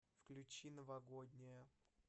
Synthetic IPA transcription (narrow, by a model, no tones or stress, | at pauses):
fklʲʉt͡ɕinəvɐɡod̪ʲnʲɪjə